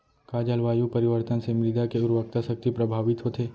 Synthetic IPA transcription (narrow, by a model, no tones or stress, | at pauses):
kaːd͡ʒɐlʋaːjũpɐɾɪʋəɾt̪ənsemɾɪd̪akeʊɾʋək̚t̪asɐk̚t̪ipɾɐbʱaːʋɪt̪ɦot̪ʰeː